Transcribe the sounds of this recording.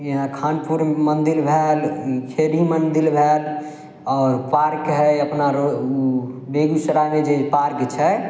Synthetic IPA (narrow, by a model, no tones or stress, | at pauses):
jiɦãkʰanpuɾmənd̪ilbʱelkʰeɾimənd̪ilbʱel | ɔɾpaɾkɦɛəpnaɾo | beɡusəɾamed͡ʒepaɾkt͡ʃʰɛ